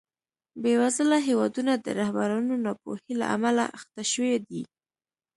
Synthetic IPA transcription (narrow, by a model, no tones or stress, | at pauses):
bewazəlaɦewɑd̪unad̪ə̰ɾahbaɾɑnonɑpo̰hila̰ʔa̰malaʔaxt̪aʃəwed̪i